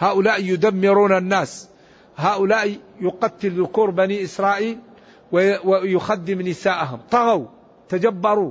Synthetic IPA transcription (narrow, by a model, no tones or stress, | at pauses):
haːʔʊlaːʔjʊd̪amːɪɾuːnanːaːs | ɦaːʔʊlaːʔjʊqɑt̪ːɪlðʊkuːɾbaniːʔɪsɾˤɑːʔiːl | wwjʊxad̪ːɪmnɪsaːʔaɦʊmt̪ˤɑɣaw | t̪ad͡ʒabːɑɾˤu